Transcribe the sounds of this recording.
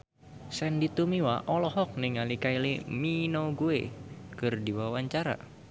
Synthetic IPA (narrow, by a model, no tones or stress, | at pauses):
sɛndit̪umiwaʔɔlɔɦɔk̚nɪŋalikailiminoɡuekɨrdiwawaɲt͡ʃaɾa̰